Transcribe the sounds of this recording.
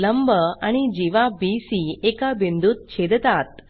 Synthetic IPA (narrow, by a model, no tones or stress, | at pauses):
ləmbʱəaɽ̃id͡ʑiʋabisiekabind̪ut̪̚t͡ɕʰed̪t̪at̪̚